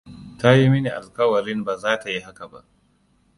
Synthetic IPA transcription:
ta˦ji˦mɪ˦ni˨ʔa˨lkɐ˦wɐ˨ɾɪ˦nbaː˨zaː˦ta˨ji˦ɦa˦ka˨ba̰˦ʔ

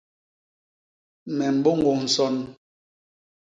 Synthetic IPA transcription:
mɛ˨m̩˨bo˦ŋɡo˨n̩˨sɔ˦n

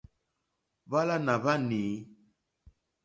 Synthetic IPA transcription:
βa˦la˦na˨βa˦ni˨˦

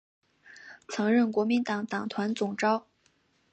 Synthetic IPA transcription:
t͡sʰɤ˧˥ŋɻə˥˩nkwɔ˧˥mi˧˥nt̪ɑ˨˥ŋt̪ɑ˨˩ŋt̪ʰwa˧˥nt͡sʊ˨˩ŋʈ͡ʂɑ˥ʊ

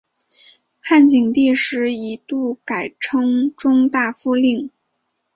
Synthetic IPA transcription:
xa˥˩nt͡ɕi˨˩ŋt̪i˥˧ʂɻ̩˧˥i˧˥t̪u˥˩ka˨˩ɪʈ͡ʂʰɤ˥ŋʈ͡ʂʊ˥ŋt̪a˥˩fu˥˧li˥˩ŋ

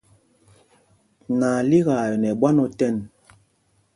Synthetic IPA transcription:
na˨li˦ɣa˨nɛ˨ɓwa˦nɔ˦tɛ˦˨n

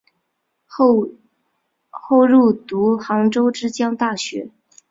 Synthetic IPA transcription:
xo˥˧ʊɻu˥˩t̪u˧˥xɑ˧˥ŋʈ͡ʂo˥ʊʈ͡ʂɻ̩˥t͡ɕjɑ˥ŋt̪a˥˩ɕɥɛ̰˧˥

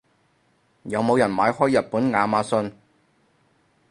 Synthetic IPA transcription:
jɐ˨˧wmo˨˧wjɐ˨˩nma̰ː˨˧˥jhɔː˥jɐ˨t̚puː˨˥nŋaː˨˧maː˨˧˥sɵ˧n

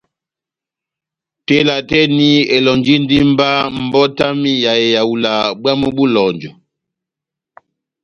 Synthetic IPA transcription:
te˦la˨tɛ˦ni˦e˨lɔ˨nd͡ʒi˦n˦di˦mba˦m̩˨bɔ˦ta˦mi˦ja˨e˨ja˨u˨la˨ɓwa˦mu˦ɓu˦lɔ˨nd͡ʒɔ˨

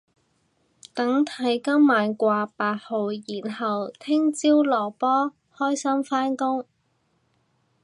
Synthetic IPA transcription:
t̪ɐ˨˥ŋt̪ʰɐ˨˥jkɐ˥mːaː˨˧nkʷaː˧paː˧t̚ho˨˧wjiː˨˩nɦɐ˨wt̪ʰɪ˥ŋt͡siː˥wlɔː˨˩pɔː˥ | hɔː˥jsɐ˥mfaː˥nkʊ˥ŋ

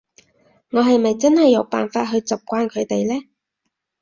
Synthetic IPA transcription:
ŋɔː˨˧ɦɐ˨jmɐ˨jt͡sɐ˥nhɐ˨jːɐ˨˧˥wpa̰ː˨nfaː˧t̚ɦɵ˧ɥt͡sɐ˨p̚kʷaː˧nkʰɵ˨˧ɥt̪e˨jlɛː˥

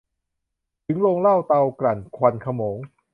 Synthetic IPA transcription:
t̪ʰɯ˩˦ŋloː˧ŋla˥˩wt̪a˧wkɾa˨˩nkʰwa˧nkʰa˧moː˩˦ŋ

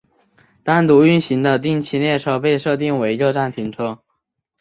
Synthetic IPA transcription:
t̪a˥˩nt̪u˧˥y˥˩nɕi˧˥ŋd̪ə˧t̪i˥˩ŋt͡ɕʰi˧˥ljɛ˥˧ʈ͡ʂʰɤ˥˩pe˥˧ɪʂɤ˥˧t̪i˥˩ŋwe˧˥ɪɻo˥˧ʈ͡ʂa˥˩nt̪ʰi˧˥ŋʈ͡ʂʰɤ˥

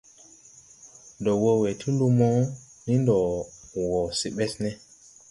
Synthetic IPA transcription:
ndɔ˨wo˦we˨tʰi˦lu˦mɔ˦ni˦ndɔ˨wɔ˨si˨ɓɛ˦snɛ˦

